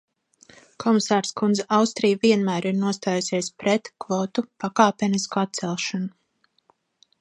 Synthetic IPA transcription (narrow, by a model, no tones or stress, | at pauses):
kʰɔmisaːɾskund̪zɛʔawst̪ɾijviɛnmæːɾiɾnuɔst̪aːjusʲiɛspɾɛt̪kvɔt̪upakaːpʲɛniskat̪̚sɛlˠʃanu